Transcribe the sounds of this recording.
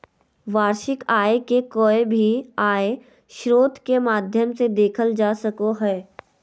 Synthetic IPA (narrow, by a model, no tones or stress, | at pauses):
ʋaːɾʃɪkaːekekoːebʱiaːe | ʃɾoːt̪kemaːd̪ʱjəmsed̪eːkʰəld͡ʒaːsəkoɦɛː